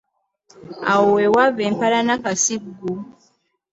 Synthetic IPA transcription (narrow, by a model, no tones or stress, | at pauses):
a̰wowewaβːeːmpalanakasiɡːu